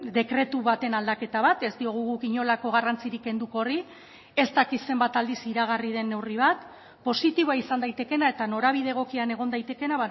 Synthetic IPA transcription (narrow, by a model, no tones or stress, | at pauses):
d̪e̞kɾe̞t̪uβat̪e̞nald̪ake̞t̪aβat̪e̞zd̪io̞ɣ̞uɣukiɲo̞lako̞ɣarant͡siɾike̞nd̪uko̞ri | e̞st̪akit̪se̞mbat̪ald̪isiɾaɣ̞arið̞e̞nːe̞wriβ̞at̪ | po̞sit̪iβoaisand̪ajt̪e̞ke̞nae̞t̪ano̞ɾaβ̞iðe̞ɣ̞o̞kiane̞ɣ̞o̞nd̪ajt̪e̞ke̞naβa